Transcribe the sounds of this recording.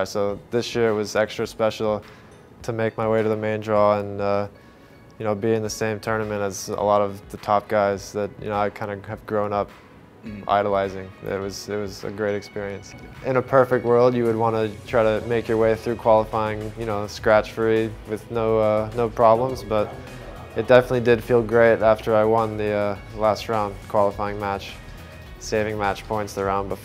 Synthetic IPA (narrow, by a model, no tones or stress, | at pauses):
soʊðɪsjɪɹɨt̚wʌzɛkstɹ̥ɨspɛʃl̩ˠ | tʰɨmeɪk̚maɪweɪɾɨðɨmẽɪ̃ndɹɔə̃nʌ | jɨnoʊbiɨ̃nðɨsẽɪ̃mtʰɜ˞nɨmɨ̃ñtɨzə̰lɔɾʌvðɨtʰɑp̚ɡ̥aɪzðɨt̚jɨ̰noʊaɪkʰãɪ̃ndɨɨvɡɹõʊ̃nʌp̚ | ʔa̰ɪɾəlaɪzɪ̃ŋɪ̰t̚wʌzɪt̚wʌzɨ̰ɡɹeɪɾɨkspɪɹiɨ̃nsʔɨ̃ñəpʰɜ˞fɪk̚t̚wɜ˞lˠdjɨwɨd̚wɑ̃nɨtʰɹ̥aɪɾɨmeɪkjə˞weɪθɹʉkʰw̥ɑlˠəfaɪɪ̃ŋjɨnoʊskɹæt͡ʃfiwɨðnoʊʌnoʊpʰɹ̥ɑblə̃mzbʌɾ | ɨt̚d̥ɛfənətˡlidɨd̥filˠɡɹeɪɾæftə˞aɪwʌ̃nðiʌ | læstɹãʊ̃ndkʰw̥ɑlˠəfaɪɪ̃ŋmæt͡ʃ | seɪvɪ̃ŋmæt͡ʃpʰɔ̃ɪ̃ntsðə˞ãʊ̃nbəf